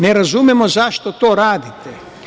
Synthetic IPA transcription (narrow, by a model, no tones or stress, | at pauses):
neɾazumɛmozaʃt̪ot̪oɾaːd̪it̪ɛ